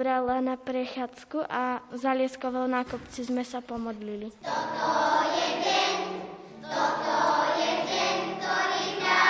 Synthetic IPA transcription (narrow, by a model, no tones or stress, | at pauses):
bɾalanapɾɛxaːt͡skuʔazalɪɛskɔʋɔlnakɔpt͡sizmɛsapɔmɔd̪lilit̪t̪ɔjɛɛɲ | ɔɔjɛɛɲkt̪ɔɾina